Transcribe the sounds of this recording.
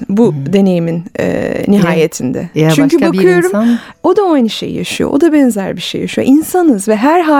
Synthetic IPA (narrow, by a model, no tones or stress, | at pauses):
bud̪e̞ne̞jiminɛ̰niɦaːjet̪ʰind̪ɛ̰t͡ʃyɲcybakʰɯjo̞ɾum | o̞d̪aajnɯʃe̞̰j̰ja̰ʃɯjo̰ʔo̰d̪abɛnzæɾbiʃejaʃɯyjo̞̰ʔinsanɯzvɛɦæɾɦa